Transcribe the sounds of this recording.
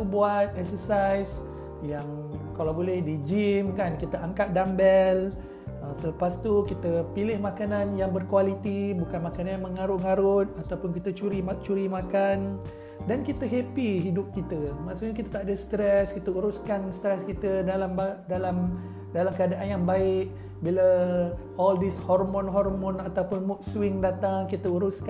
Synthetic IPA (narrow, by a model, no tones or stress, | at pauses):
ubuat̪̚ɛk̚səsajs | jaŋ | kalawbolɛhdid͡ʒimkankit̪əʔaŋkat̪̚dambɛl | əsələpast̪ukit̪əpilɪhmãkanãnjaŋbərkualit̪ibukanmakanaaŋməŋaɾʊʔ̚ŋaɾʊt̪̚at̪awpʊnkit̪ət͡ʃuɾimt͡ʃuɾimakan | dankit̪əɦepiɦidʊp̚kit̪əmaʔsuʔɲakit̪ət̪aʔdəst̪ɾɛskit̪əuɾʊskanst̪ɾɛskit̪ədalambadalam | dalamkəadaʔanjaŋbaɪk̚ | bilə | ʔɔldishɔrmɔ̃nɦɔrmɔ̃nat̪awpʊnmʊk̚suɪŋdat̪aŋkit̪əuɾʊsk